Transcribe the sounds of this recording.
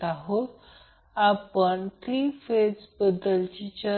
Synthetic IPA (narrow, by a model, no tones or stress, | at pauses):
aɦot̪ | apəɳt̪ɾiːfed͡zbəd̪əlt͡ɕit͡ɕə